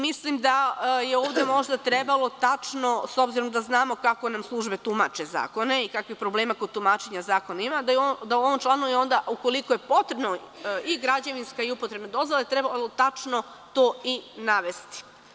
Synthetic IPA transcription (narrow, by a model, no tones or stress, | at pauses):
mislimd̪ajeoːʋd̪e̞mo̞ʒd̪at̪ɾebalo̞t̪at͡ʃno̞so̞bziɾo̞md̪aznaːmo̞kako̞namslˠuʒbe̞t̪uma̰t͡ʃe̞za̰ːko̞ne̞ikakʋixpɾobleːmakod̪̚t̪umaːt͡ʃeɲazaːko̞nimad̪od̪auo̞ʋomt͡ʃlˠaːnujeo̞nd̪auko̞likoje̞po̞t̪ɾe̞bnoiɡɾad͡ʑeʋinskaiupot̪ɾe̞bnod̪o̞zvʋolet̪ɾebalot̪at͡ʃno̞ | t̪o̞ːinaʋe̞st̪i̥